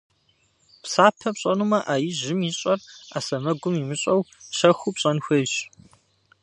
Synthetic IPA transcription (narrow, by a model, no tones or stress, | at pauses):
psaːpʰɐpɕʼɐnumɐʔaːjɪʑɪmiɕʼɐra̰ːsɐmɐɡʷʊmimɨɕʼɐwɕɐxʷupɕʼɐnxʷejɕ